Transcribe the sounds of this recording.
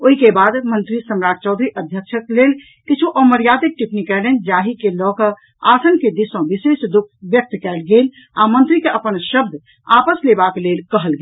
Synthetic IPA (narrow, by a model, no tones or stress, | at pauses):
oɦikebad̪mənt̪ɾisəmɾad͡ʒt͡ʃɔd̪ʱɾiʔəd̪ʱjəkt͡ʃʰəklel | kit͡ʃʰuʔɔməɾjad̪ik̚ʈipnikɛlend͡ʒaɦikelɔkə | asənked̪isɔ̃ʋisesd̪ukʰbjək̚t̪kɛlɡel | amənt̪ɾikeʔəpənʃəb̚d̪ʱ | apəslebakelelkəɦəlɡel